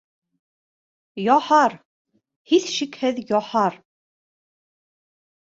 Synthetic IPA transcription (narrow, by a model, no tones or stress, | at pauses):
jɒħɑɾ | hiθʃikhɘðjɒħɑɾ